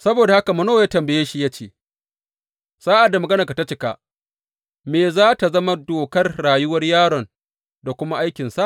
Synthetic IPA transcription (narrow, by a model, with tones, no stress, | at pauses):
sɐ˦boː˨da˨ha˦ka˨mɐ˨no˦˨jaː˦tɐ˨mbɐ˨jeː˦ʃi˦˨ja˦t͡ʃeː˨ | saː˦ʔa˨dːa˨mɐ˨ɡɐ˦na˨ka˨ta˦t͡ʃɪ˦ka̰˨ | meː˨zaː˦ta˨zɐ˦ma˦doː˨kɐ˦rɽaː˨jʊ˦wɐ˦rjaː˦ɽɔ˨n | da˨kʷʊ˦ma˦ʔa˦jkʲɪ˨nsa˦ʔ